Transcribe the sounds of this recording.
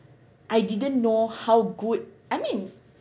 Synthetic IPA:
ʔajdidə̃nːohawɡud̚ʔajmĩn

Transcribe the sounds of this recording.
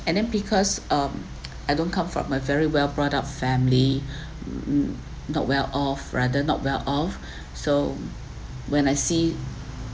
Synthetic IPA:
ɛ̃ndɛ̃nbikʰɔsʌm | ajdõnkʰãmfɹɔ̰̃majvɛɹiwɛlbɹɔtap̚fɛ̃mli | nɔ̰t̚wɛlʔɔfɹadənɔ̰t̚wɛlʔɔf | so | wɛ̃najsi

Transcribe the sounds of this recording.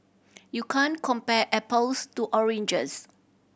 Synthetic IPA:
jukʰãnkʰɔ̃mpɛʔɛpəlstuʔɔɹẽnd͡ʒəs

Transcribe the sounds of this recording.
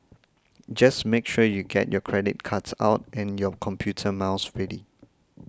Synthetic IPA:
d͡ʒasmekʃujuɡɛ̰tjɔkʰɹɛdḭt̚kʰatsa̰ʊtʔɛ̃njɔkʰɔ̃mpʰjutʰəmaʊsɹɛdi

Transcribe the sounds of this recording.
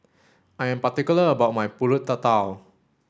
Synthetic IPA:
ʔajãnpat̪ikuləəbaʔmajpulʊt̪ːat̪aw

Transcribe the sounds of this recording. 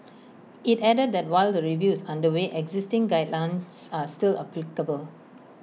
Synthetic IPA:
itɛdəd̚dɛt̚waɪldəɹivjusãndəweʔɛɡzɪstɪ̃ŋɡaɪdlãɪnsastilə̰plikəbəl

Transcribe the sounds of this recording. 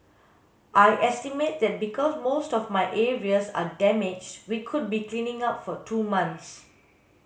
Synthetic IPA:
ʔajʔɛstimet̚d̪ɛt̚bikʰɔsmostɔfmaɪʔeɹiəsa̰dɛmɪd͡ʒwikʰʊd̚biklĩnɪ̃ŋapfɔtʰuːmãnts

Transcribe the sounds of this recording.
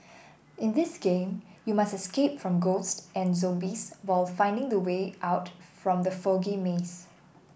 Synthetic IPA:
ʔɪ̃ndɪsɡ̥ẽmjumastɛskep̚fɹɔ̃mɡostɛ̃nzɔ̃mbiswaɪlfãɪ̃ndɪ̃ŋdəweʔaʊtfɹɔ̃md̪əfɔɡimes

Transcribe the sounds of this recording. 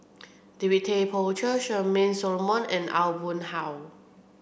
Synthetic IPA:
diwitʰepʰɔt͡ʃəʃəmẽnsɔlmɔ̃nɛ̰̃na̰lbũmhaw

